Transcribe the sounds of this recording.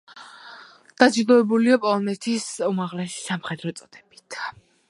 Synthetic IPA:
d̪̥ad͡ʒid̪ɔɛbuliapʼɔlˠɔnɛt̪ʰisumaʁlɛsi̥samχɛd̪ɾɔt̪sʼɔd̪ʰɛbi̥t̪ʰ

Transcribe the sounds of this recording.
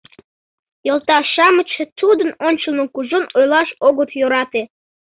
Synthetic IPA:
jolˠt̪ɑʃɑmət͡ɕet̪ud̪ənonʲt͡ɕəlˠnəkuʒonojlɑʃoɣət̪joɾɑt̪e

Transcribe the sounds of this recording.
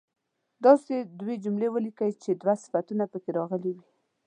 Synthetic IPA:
d̪ɑsed̪wed͡ʒumlewəlikəjt͡ʃed̪wasɪ̥fat̪unapəkeɾɑɣəliwi

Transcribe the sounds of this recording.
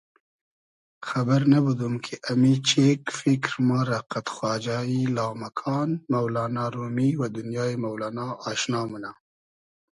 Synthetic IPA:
xabaɾnabud̪umkʰeʔamit͡ʃekfɪkɾmɑːɾaqat̪xwɑːd͡ʒɑːjilɑːmakʰɑːnmawlɑːnɑɾumiwad̪ʊnjɑːjemawlɑːnɑːʃnɑːmuna

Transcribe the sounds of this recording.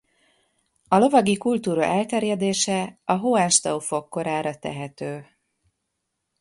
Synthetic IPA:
ɒlo̞vɒɡikult̪uːɾɒ̰ʔɛlt̪ɛrjɛd̪eːʃɛɒɦoaːʃt̪ɒufo̞kːo̞ɾaːɾɒt̪ɛ̰ɦɛt̪øː

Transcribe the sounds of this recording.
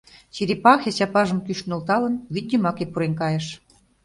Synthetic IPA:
t͡ɕiɾʲipɑxʲeɕɑpɑʒəmkyʃnolt̪ɑlə̆nβid̪̚ʲəmɑkepuɾenkɑjĕʃ

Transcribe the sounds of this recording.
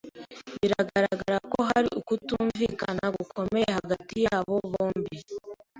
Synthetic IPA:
βiɾaɡaɾaɡaɾako̞ɦaɾḭʔukutuːɱviːkanaɡukʰo̞me̞jjehaɡatijaːβo̞βoːmbi

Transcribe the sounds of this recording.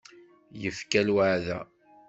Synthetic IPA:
jəfkælwəʕðæ̰

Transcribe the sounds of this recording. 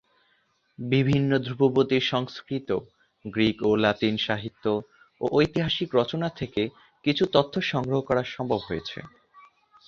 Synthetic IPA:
bibʱinːod̪ʱɾupobot̪iʃɔŋskɾit̪o | ɡɾikolat̪inʃaɦit̪ːo | oʔojt̪iɦaʃikɾɔt͡ɕonat̪ʰeke | kit͡ɕʰut̪ot̪ʰːoʃɔŋɡɾoɦokɔɾaɾʃɔmbʱobɦojet͡ɕʰḛ

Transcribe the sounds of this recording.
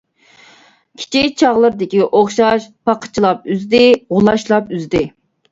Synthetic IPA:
kʲʰi̥t͡ʃʰikʲt͡ʃʰɑʁlˠəɾd̪ɪkʲiʔoχʃɑʃpʰɑqʰə̥t͡ʃʰilˠɑp̚yzd̪ɪʁʊlˠɑʃlˠɑpyzd̪ɪ

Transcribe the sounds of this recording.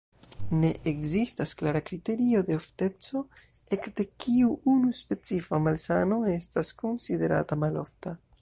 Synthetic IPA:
ne̞ʔekzistasklaɾakɾite̞ɾio̞de̞ofte̞t͡so̞e̞kde̞kʰiuunuspe̞t͡sifamalsano̞e̞stasko̞nside̞ɾa̰tamalo̞̰fta

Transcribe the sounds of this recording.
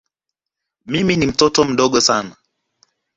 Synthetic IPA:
miminim̩tɔtɔm̩ɗɔɠɔsana

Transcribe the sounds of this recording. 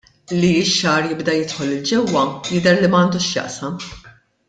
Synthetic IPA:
liɪʃːɐːɾjɪbd̪ɐjɪt̪ħɔlɪld͡ʒɛwːɐjɪd̪ɛɾlimɐːnd̪uːʃjɐ̰ʔsɐm

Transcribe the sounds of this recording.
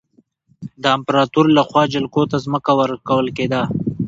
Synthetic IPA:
d̪əɪmpɾɑt̪uɾlaxwɑd͡ʒɪlkot̪azməkawəɾkawəlked̪a

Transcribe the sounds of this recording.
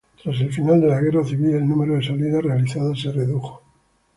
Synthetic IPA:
t̪ɾase̞lfinald̪e̞laɣeɾaθiβilelnũme̞ɾoðe̞saliðare̞aliθaðase̞reðuxo̥

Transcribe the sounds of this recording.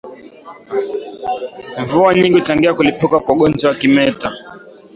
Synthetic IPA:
ɱvuaɲiŋɡiutaŋɡiakulipukakwaɠɔnd͡ʒɔakimɛta

